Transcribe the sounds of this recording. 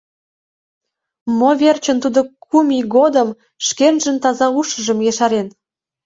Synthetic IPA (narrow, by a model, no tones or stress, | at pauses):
moβert͡ɕə̆nt̪ud̪okʰumʲiɣod̪əm | ʃkenʒə̆nt̪ɑzɑuʃə̆ʒə̆mjeʃɑɾen